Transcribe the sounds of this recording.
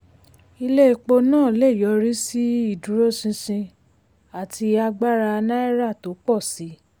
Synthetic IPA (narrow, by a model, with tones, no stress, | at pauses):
i˧le˦˧˨k͡po˧nãː˦˨le˦˨jɔ˨˦ɾi˦si˦i˦˨dũ˨˦ɾo˦sĩ˧sĩ˧ | a˨ti˧a˧ɡ͡ba˦ɾa˧nã˦ɛ˦ɾa˦˨to˨˦k͡pɔ˦˨si˨˦